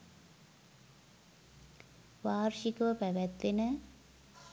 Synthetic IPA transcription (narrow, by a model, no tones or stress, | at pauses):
ʋaːɾʃikəʋəpæʋæt̪ʋenə